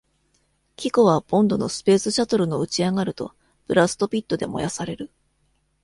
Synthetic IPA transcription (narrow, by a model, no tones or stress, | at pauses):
kʲikoβab̥õ̞nd̪o̞no̞sɨ̥pe̞ːsɨɕat̪oɾɯ̟no̞ɯ̟t͡ɕiaɡaɾɯ̟t̪o̞̰ | pɯ̟ɾasɨ̥t̪o̞pʲit̪ːo̞d̪e̞̰mo̞̰jasaɾe̞ɾɯ̟